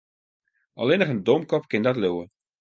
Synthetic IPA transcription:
ɑ̰lˠɪnəχəndɔmkɔpkɪndɔtløwə

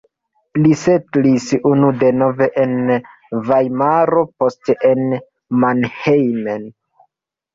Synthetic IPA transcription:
lisetlisunude̞no̞ve̞ʔen | vajmaɾo̞po̞steʔen | manhejmen

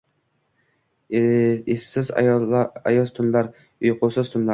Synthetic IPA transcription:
esːɪz | ɑjɔst̪ʰunlˠɑɾ | ʊjqʰʊsɨz̥t̪ʰʊnlˠɑ

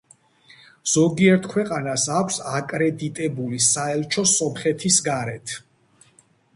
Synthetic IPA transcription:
z̥ɔɡiɛɾt̪ʰkʰwɛqʼanasakʷʰsakʼɾɛd̪it̪ʼɛbulisaɛlˠt͡ʃʰɔsɔmχɛt̪ʰisɡaɾɛt̪ʰ

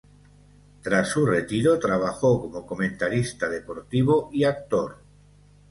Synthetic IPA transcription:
t̪ɾasuret̪iɾot̪ɾaβ̞axokomokomẽnt̪aɾist̪að̞e̞po̞ɾt̪iβ̞oiak̚t̪oɾ

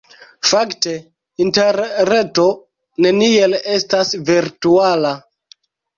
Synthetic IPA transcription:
fakte̞ | inteɾːe̞to̞ | ne̞nie̞le̞stasviɾtuala

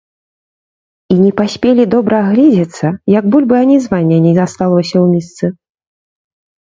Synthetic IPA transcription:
inʲɛpasʲpʲelʲid̪ɔbɾɐːɣlʲɛd͡zʲɛt̪sːɐjɐɡbulʲbɨanʲizvanʲːɛnʲɛzast̪alˠɔsʲɐwmʲist̪sɨ

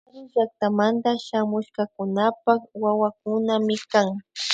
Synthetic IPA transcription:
aʎɪʒak̚t̪amand̪aʃamʊʃkakʊnapakwawak̚ʊnamɪkaŋ

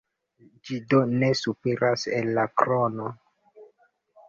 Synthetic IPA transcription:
d͡ʒidone̞supeɾasḛnːakɾono

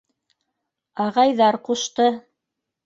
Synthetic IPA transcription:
ɑʁɑjðɑɾquʃt̪ɤ

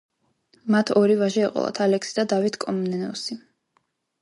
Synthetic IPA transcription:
mat̪ʰɔɾivaʒɛɛqʼɔ̰lˠa̰t̪ʰalɛksid̪ad̪avit̪ʰkʼɔmnɛnɛɔsi

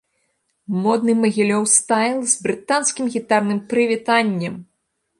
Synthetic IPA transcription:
mɔd̪nɨmɐɣʲilʲɔwst̪ajlˠzbɾɨt̪anskʲimɣʲit̪arnɨmpɾɨvʲit̪anʲːɛm

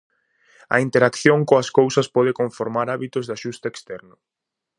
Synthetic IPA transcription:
ɐ̰int̪eɾakθjoŋkoɐskowsɐspɔðɪkoɱfoɾmaɾaβit̪ʊzðaʃust̪ɐekst̪ɛɾnʊ

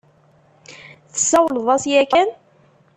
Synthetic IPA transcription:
θə̥sːæwləðˤɑsjækæn

